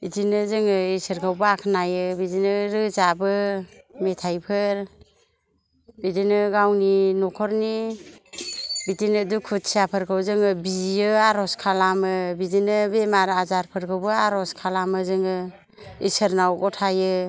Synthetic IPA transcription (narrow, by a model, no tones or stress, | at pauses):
bitinɯzɯŋɯisɯɾɡawbɯakʰnajɯbidinɯɾɯzabɯ | metʰajpʰɯɾ | bidinɯɡawninɔkʰɔɾni | bitinɯdukʰut̚siapʰɯɾkʰɯwzɯŋɯbijɯaɾɔskʰalamɯbidinɯbemaɾazaɾpʰɯɾɡʰɯwbɯaɾɔskʰalamɯzɯŋɯ | isɯɾnawɡɔtʰajɯ